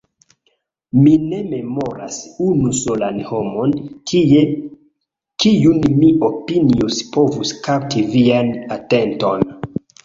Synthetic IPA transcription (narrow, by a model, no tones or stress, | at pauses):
mine̞me̞mo̞ɾa̰sunuso̞lanho̞mo̞n | kijunmiopiniospo̞vuskap̚tivianate̞nto̞n